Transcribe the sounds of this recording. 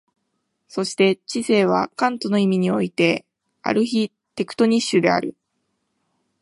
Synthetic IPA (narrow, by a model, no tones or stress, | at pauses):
so̞ɕi̥t̪e̞t͡ɕise̞ːβ̞a̰kãnt̪o̞no̞imʲiɲ̟io̞it̪e̞ | a̰ɾɯ̟çi | t̪e̞kɯ̟̥t̪o̞ɲ̟iɕːɨd̪e̞a̰ɾɯ̟̰